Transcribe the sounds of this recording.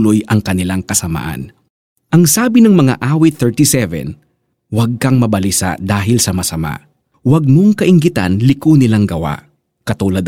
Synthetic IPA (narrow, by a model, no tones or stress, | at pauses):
lojɐŋkɐnɪlaŋkɐsɐma̰ːʔɐ̰n | ʔɐŋsaːbɪnɐŋmɐŋa̰ʔaːwɪt̪ɛɹt̪isɛvɛ̰n | wɐɡ̚kɐŋmɐbɐlisa̰d̪aːɦɪlsɐmɐsɐma̰ʔ | wɐɡ̚mo̞ŋkɐʔɪŋɡɪt̪a̰nlɪkonɪlaŋɡɐwa̰ʔ | kɐt̪uːlɐd̪